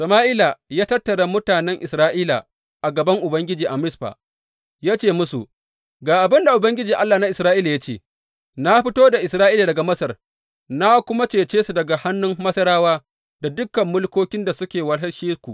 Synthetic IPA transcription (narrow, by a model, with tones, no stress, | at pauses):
sɐ˨maː˦ʔiː˦la˨jaː˦tɐ˦tːɐ˨ɽa˨mʊ˦taː˨nɛ˦ŋʔɪ˨sɾaː˦ʔiː˦la̰˨ | ʔa˨ɡɐ˨bɐ˦ŋʔʊ˨bɐ˦ŋɡʲɪ˦d͡ʒiː˨ʔa˨mɪ˦sɸa̰ː˨ | jaː˦t͡ʃeː˦˨mʊ˦su˨ʔ | ɡaː˨ʔa˨bɪ˦nda˨ʔʊ˨bɐ˦ŋɡʲɪ˦d͡ʒiː˨ʔa˦lːaː˨na˦ʔɪ˨sɾaː˦ʔiː˦la˨ja˦t͡ʃeː˦˨ | na˦ɸɪ˦toː˦da˨ʔɪ˨sɾaː˦ʔiː˦la˨dɐ˨ɡa˨mɐ˦sɐ˨r | na˦kʷʊ˦ma˦t͡ʃeː˨t͡ʃeː˦su˨dɐ˨ɡa˨ha˦nːʊ˦mmɐ˦sɐ˦ɾaː˦waː˦ | da˨dʊ˦kːɐ˨mːʊ˦lkʷoː˦kʲɪ˦nda˨sʊ˦kʲeː˨wɐ˦lɦɐ˦ʃiː˦skʷu˨ʔ